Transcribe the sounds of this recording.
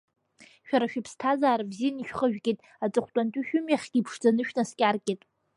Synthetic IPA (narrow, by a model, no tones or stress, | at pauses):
ʃᶣaɾaʃᶣɪpʰstʰazaːɾabzijaniʃᶣχəʒᶣɡʲʼitʼ | at͡sʼɨχʷʰtʼantʼʊʃᶣʊmjaχʲɡ̥ʲipʰʂd͡zanɨʃᶣnaskʲʼarkʲʼetʼ